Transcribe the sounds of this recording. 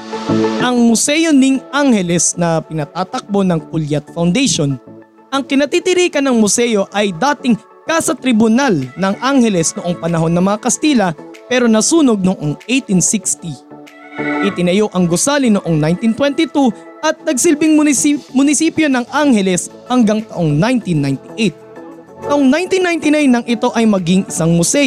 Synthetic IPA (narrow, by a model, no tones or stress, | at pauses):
ʔɐŋmʊsɛjo̞nɪŋʔaŋhɛlɛsnɐpɪnɐt̪aːt̪ɐk̚bo̞nɐŋkʊljɐt̪̚fɐwnd̪ɛjʃon | ʔɐŋkɪnɐt̪it̪ɪɾiːkɐnːɐŋmʊsɛjo̞ʔɐjd̪aːt̪ɪŋ | kasɐt̪ɾɪbʊnalnɐŋʔaŋhɛlɛsnoʔoŋpɐnɐɦo̞nːɐmɐŋakɐst̪iːlɐpɛɾo̞nɐsuːno̞ɡ̚noʔoŋʔejt̪insikst̪i | ʔɪt̪ɪnɐjo̞ʔɐŋɡʊsaːlɪnoʔo̞ŋnajnt̪int̪wɛnt̪ɪt̪u | ʔɐt̪̚nɐɡ̚sɪlbɪŋʊmʊnɪsiːpjo̞nɐŋʔaŋhɛlɛs | hɐŋɡaŋt̪ɐʔoŋnajnt̪inːajnt̪ɪʔejt̪̚ | t̪ɐʔoŋnajnt̪inːajnt̪ɪnajnːɐŋʔɪt̪o̞ʔɐjmɐɡiŋʔɪsaŋmʊsɛ